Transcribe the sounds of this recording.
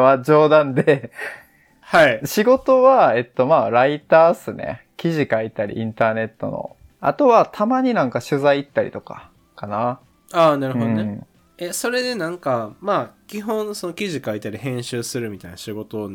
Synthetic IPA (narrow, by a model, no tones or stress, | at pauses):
βad͡ʑo̞ːd̪ãnd̪e | haiɕiɡo̞t̪o̞βae̞t̪ːo̞maːɾait̪aːsɨne̞̰ | kʲiʑikait̪aɾʲḭʔĩnt̪aːne̞t̪ːo̞̰no̰ | a̰t̪o̞βat̪ʰamaɲ̟inãŋkaɕɨzaiːt̪ːaɾʲḭt̪oka̰ | kana | aːnaɾɯ̟ɯod̃oɴe | eso̞ɾe̞d̪e̞nãŋkamaːkʲiɦõ̞ɴ̃sonokʲiʑikait̪aɾʲihẽ̞ɰ̃ɕɨːsɨɾɯ̟mʲit̪ainaɕiɡo̞t̪oːn